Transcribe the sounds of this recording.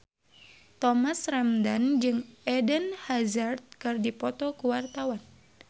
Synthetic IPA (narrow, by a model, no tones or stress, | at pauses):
t̪ɔmasramdand͡ʒɨŋɛdənhazart̪̚kɨrdipɔt̪ɔkuwart̪awan